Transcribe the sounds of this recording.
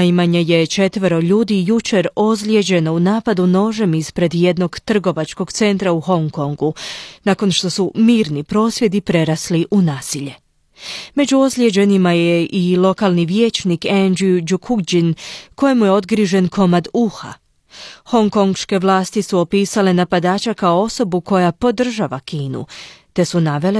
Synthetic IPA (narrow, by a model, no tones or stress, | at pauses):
imaɲeje̞t͡ʃe̞t̪ʋəɾo̞ʎuːd̪ijut͡ʃe̞ɾo̞zlʲje̞d͡ʑe̞no̞unaːpad̪uno̞ːʒe̞mispɾe̞d̪je̞d̪no̞ɡt̪r̩ɡo̞ʋat͡ʃko̞ɡ̥t̪se̞nt̪ɾauho̞ŋko̞ŋɡunako̞nʃt̪o̞sumiːɾnipɾo̞ːsʋje̞d̪ipɾe̞ɾasliʔunaːsiʎe̞ | me̞d͡ʒuo̞zlʲje̞d͡ʑe̞nimajeʔilo̞kaːlˠniʋjeːt͡ʃnikend͡ʒiud͡ʒukʰuɡd͡ʑinko̞jemujeo̞d̪ɡɾiʒe̞nkʰo̞mad̪uxa̰ | ho̞ŋko̞ŋɡʃke̞ʋlˠaːst̪isuo̞piːsale̞napad̪aːt͡ɕakaoo̞so̞buko̞japo̞d̪r̩ʒaʋakiːnṵt̪e̞sunaʋe̞le